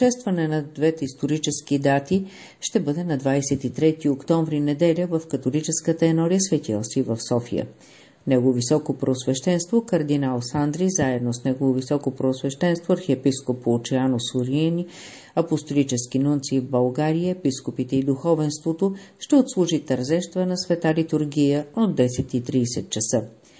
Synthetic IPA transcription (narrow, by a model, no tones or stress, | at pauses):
ʃɛst̪vɐnɛnɐd̪vɛt̪ɛist̪oɾit͡ʃɛskid̪at̪i | ʃt̪ɛbɤd̪ɛnɐd̪vajsɛt̪it̪ɾɛt̪iokt̪ɔɱvɾinɛd̪ɛlʲəvəfkɐt̪olit͡ʃɛskət̪əɛnɔɾijəsvɛt̪ʲḭlˠsivəfsɔfijə̰ | nɛɡovisɔkopɾoosvɛʃt̪ɛnst̪vokɐɾd̪inalˠsand̪ɾizaɛd̪nosnɛɡovovisɔkopɾoːsvɛʃt̪ɛnst̪voɐɾxɛpiskopoːt͡ʃɛanosoɾini | ɐpost̪olit͡ʃɛskinunt̪sivbɐlˠɡaɾijəɛpiskopit̪ɛid̪uxɔvɛnst̪vot̪oʃt̪ɛot̪slˠuʒit̪əɾzɛʃt̪vənɐsvɛt̪alit̪uɾɡʲijəod̪ːɛsɛt̪it̪ɾiːsɛt̪̚t͡ʃɐsə